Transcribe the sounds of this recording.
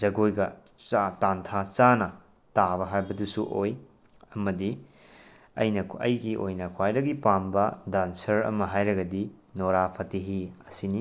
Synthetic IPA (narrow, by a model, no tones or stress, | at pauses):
d͡ʒɐɡojɡɐ | t͡ʃatantʰat͡ʃanɐ | tabɐɦajbɐdusuʔoj | ɐmɐdi | ɐ̰jnɐɐ̰jɡiʔo̰jnɐkʰwajdɐɡipambɐdansɐɾɐ̰mɐɦajɾɐɡɐdi | noɾapʰɐtiɦiɐsini